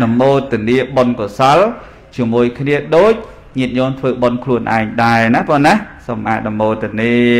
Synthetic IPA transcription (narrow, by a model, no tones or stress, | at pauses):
ɗɑmoːt̪ːĭəniəɓonkosal | t͡ɕiəmuəjkʰniəɗoːc̚ | ɲiət̪̚ɲɔːnt̪ʰʋəːɓonkʰluənʔa̰ɛŋɗaɛnap̪ɔːnahsomʔaːɗɑmoːt̪iəniə